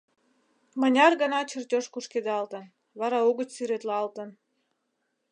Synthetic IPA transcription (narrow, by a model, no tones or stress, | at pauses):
mə̆nʲɑrɣə̆nɑt͡ɕərtʲoʃkuʃked̪eɑlt̪ə̆n | βɑɾɑuɣə̆t͡ɕsyɾet̪lɑlt̪ə̆n